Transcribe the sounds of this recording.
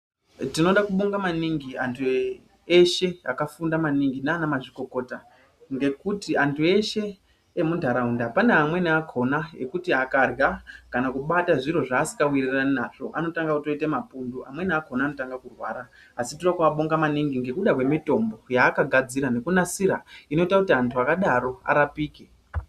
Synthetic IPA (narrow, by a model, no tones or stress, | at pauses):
tino̞ɗakuɓo̞ŋɡamaniŋɡiantʰu | eʃe̞a̰kafundamaniŋɡinaaːnamaʐiko̞ko̞ːta | ŋɡe̞kutiantʰue̞ʃe̞ː | mundʱaɾaundapaneamwe̞niakʰo̞naḛkutiakarɡakanakuɓataʐiɾo̞ʐaːsi̥kɡawiriraninaʐ̥o̞ʔano̞taŋɡakuto̞itemapunduamwe̞niako̞naːnotaŋɡakurwaːɾaː | siturakwaɓoŋɡamaniŋɡiŋɡe̞kuɗakwe̞mito̞mbo̞jaːkaɡʱad͡ziɾane̞kunasiɾaino̞itakutiantʰuakaɗaɾo̞a̰ɾapiːke